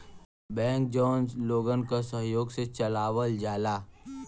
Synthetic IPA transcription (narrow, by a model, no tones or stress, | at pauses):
bɛ̃ːŋk̚d͡ʒɔːnzloːɡənkasəɦjoːɡset͡ʃɐlaːʋəld͡ʒaːlaː